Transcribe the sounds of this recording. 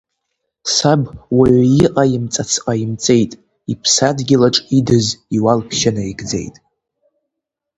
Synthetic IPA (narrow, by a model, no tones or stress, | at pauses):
sabwaʕʷjiʔʼajɪmt͡sʼat͡sʰqʼaimt͡sʼe̞jtʼ | ipʰsadɡʲɪlaʈ͡ʂʼidɨziwalpʰʃanaiɡd͡zḛjtʼ